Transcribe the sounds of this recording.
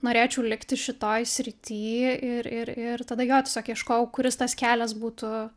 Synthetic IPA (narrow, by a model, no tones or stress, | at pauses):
noːɾʲeːt͡ʃʲɛʊlʲɪkt̪ʲɪʃʲɪt̪oːjsʲɾʲɪt̪ʲiːɪɾɪɾɪɾt̪ɐd̪ɐjoːt̪ʲɛsʲoːkjɛʃkoːjɛʊkʊɾʲɪst̪ɐskʲæːlʲɛsbuːt̪ʊ